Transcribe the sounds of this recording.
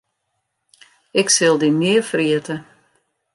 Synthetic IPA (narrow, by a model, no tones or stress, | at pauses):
ɪksɪlˠdimɪərfriətə